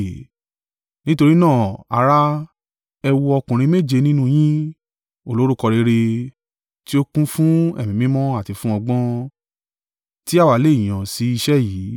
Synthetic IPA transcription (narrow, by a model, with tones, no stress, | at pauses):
nĩ˦to˧ɾi˦nãː˦˨a̰˨˦ɾa˦ | ɛ˧wu˧ɔ˧kũ˨ɾ̃ĩ˧me˦˨d͡ʒe˧nĩ˦nũ˦j̃ĩ˦ | o˦˨lo˦ɾu˦kɔ˧ɾe˧ɾe˧ | ti˦o˦kũ˦fũ˦ɛ̰˦˨mĩ˨mĩ˦mɔ̃˦a˦˨ti˨fũ˦ɔ˧ɡ͡bɔ̃˦ | ti˦a˦˨wa˨le˦˨ĩ˨ã˨si˨˦i˧ʃɛ˦jiː˨˦